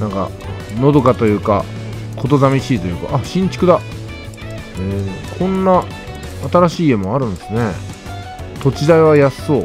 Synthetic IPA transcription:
nãŋka̰ | no̞d̪o̞kat̪o̞jɯ̟ːka̰kʰo̞t̪o̞zamʲiɕiːt̪o̞jɯ̟ːka̰ʔaɕĩɲ̟t͡ɕi̥kɯ̟d̪a | eːkʰõ̞nːaː | t̪aɾaɕiːe̞moaɾɯ̟̃nd̪esɨne̞ | t̪o̞t͡ɕid̪aiβajaso̞ː

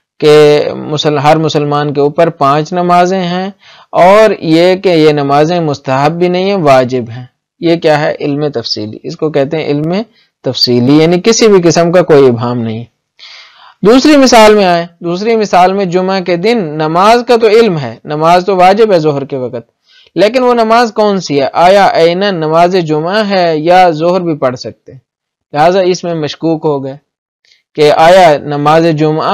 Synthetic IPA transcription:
kemʊsəlɦɐɾmʊsəlmaːnkeuːpəɾpãːt͡ʃnɐmaːzẽɦɛ̃ | ɔːɾjekejenɐmaːzẽmʊst̪əɦəbːʱinɐɦĩɦɛ̃ʋaːd͡ʒɪbɦɛ̃ː | jekjaːɦɛ̰ʔɪlmẽt̪ɐfsḭːlḭɪskokɛɦt̪eɦɛ̃ʔɪlmẽ | t̪ɐfsiːlijaːnikɪsibʱikɪsəmkakoːiɪbɦaːmnɐɦĩ | d̪uːsɾimɪsaːlmẽaːẽːd̪uːsɾimɪsaːlmẽd͡ʒʊmaked̪ɪnːɐmaːzkat̪oɪlmɦɛ̰ːnɐmaːzt̪oʋaːd͡ʒɪbɦɛzʊɦɾkeʋɐkət̪̚ | leːk̬ɪnʋonɐmaːzkɔːnsiɦɛːʔaːjaʔɛɪnɐnːɐmaːzed͡ʒʊmaɦɛjazʊɦɾbʱipɐɽsɐk̚t̪eɦɛ̃ | lɪɦaːzaɪsmẽmɐʃkuːkɦoɡɐeː | keʔaːjanɐmaːzed͡ʒʊma

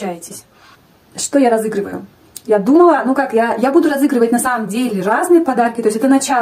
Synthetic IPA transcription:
ajɪtʲɪsʲ | ʂt̪ojaɾɐzɨɡɾɨvəjʊ̰ | jad̪uməlˠənukakjajabud̪ʊɾɐzɨɡɾɨvət̚ʲnɐsaməmdʲelʲɪraznɨjəpɐd̪arkʲɪt̪o̞ɪsʲɛt̪ənɐt͡ɕa

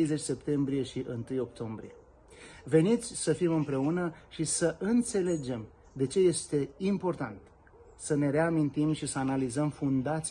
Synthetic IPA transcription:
ejzet͡ʃʲse̞pt̪e̞mbɾije̞ʃiʔɨnt̪ɨjo̞k̚t̪o̞mbɾḭje | ve̞nit̪sʲsəfimɨmpɾe̞unəʃisəʔɨnt̪se̞le̞d͡ʒe̞m | d̪e̞t͡ʃe̞je̞st̪e̞impo̞rt̪a̰nt̪ | səne̞ɾe̞amint̪imʃisəanalizəmfund̪at̪s

